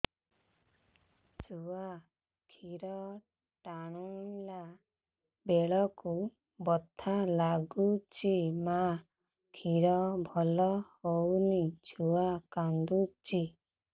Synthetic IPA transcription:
d͡ʒua | kʰiɾɔ | ʈaɽ̃ula | beɭɔku | bɔt̪ʰalaɡut͡ʃima | kʰiɾɔbʱɔlɔhownid͡ʒuakand̪ut͡ʃi

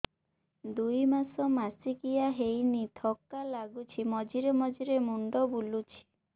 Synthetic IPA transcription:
d̪ujmasɔmasikijaɦejnit̪ʰɔkːalaɡut͡ʃʰimɔd͡ʒiɾemɔd͡ʒiɾemuɳɖɔbulut͡ʃʰi̥

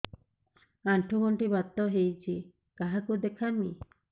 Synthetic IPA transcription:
aɳʈʰuɡoɳʈibat̪ːɔɦejt͡ʃʰi | kaɦakud̪ekʰami

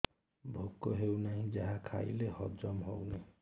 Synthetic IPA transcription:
bʱokːɔɦewnaɦĩd͡ʒaɦakʰa̰j̰lehɔd͡ʒɔmɦowne

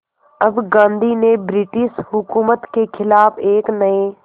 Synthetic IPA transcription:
ɐbɡãːnd̪ʱinebɾɪʈɪʃɦʊkuːmət̪kekʰɪlaːbeːknɐe

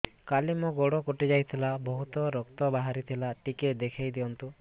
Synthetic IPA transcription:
kalimɔɡɔɽɔkoʈid͡ʒajt̪ʰilabɔɦut̪ɔɾɔkt̪ɔbaɦaɾit̪ʰilaʈiked̪ekʰajd̪iɔnt̪u

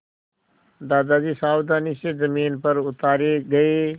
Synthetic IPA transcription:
d̪aːd̪aːd͡ʒiːsaːwd̪aːniʃezɐmiːnpɐɾʊt̪aːɾeɡɐeː

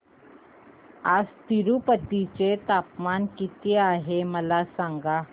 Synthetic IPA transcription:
ad͡zt̪iɾupət̪it͡ɕet̪apmankit̪eaɦeməlasaŋɡa

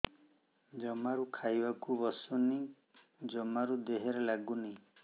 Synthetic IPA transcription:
d͡ʒɔmaɾukʰajbakubɔsuni | d͡ʒɔmaɾud̪eɦeɾelaɡuni

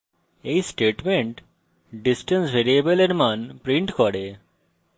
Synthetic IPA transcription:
ejsʈeʈmeɳʈ | ɖisʈensbʱeɾiebəleɾmanpɾiɳʈkɔɽe

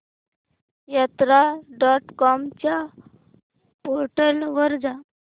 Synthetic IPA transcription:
jat̪ɾaɖɔʈkɔmt͡ɕja | poɾʈəlʋəɾd͡za

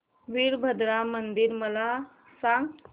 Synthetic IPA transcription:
ʋiɾbʱəd̪ɾamənd̪iɾməla | saŋɡ

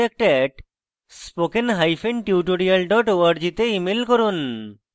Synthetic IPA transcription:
ɛk̚ʈɛʈ | spokenɦajfenʈiuʈoɽialɖɔʈoaɾd͡ʑit̪eimelkoɾun

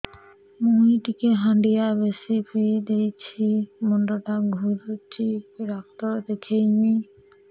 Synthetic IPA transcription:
muiʈikeɦãɳɖijabesipid̪ejt͡ɕʰimɔndɔʈaɡʱuɾut͡ʃʰiɾak̚t̪ɔd̪ekʰejɲi

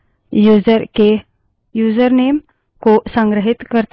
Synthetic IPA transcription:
juzəɾke | juːzəɾneːm | kosə̃ŋɡɾəɦɪt̪kəɾt̪

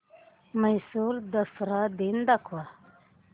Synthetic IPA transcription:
məjsuːɾd̪əsɾad̪ind̪akʰwa

